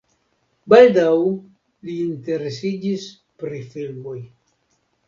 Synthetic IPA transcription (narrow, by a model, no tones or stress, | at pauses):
baldaw | liːnte̞ɾe̞sid͡ʒis | pɾifilmo̞j